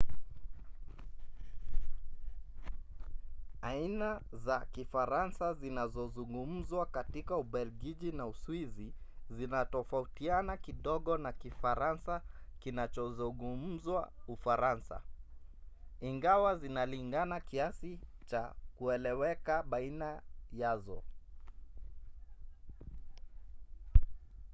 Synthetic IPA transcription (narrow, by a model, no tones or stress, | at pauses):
ainazakifaɾansazinazɔzuŋɡum̩zwakatikauɓɛlɡiʄinauswizizinatɔfautianakiɗɔɠɔnakifaɾansakinat͡ʃɔzuŋɡum̩zwaufaɾansa̰ | iŋɡawazinaliŋɡanakiasit͡ʃakuɛlɛwɛkaɓainajazɔ̰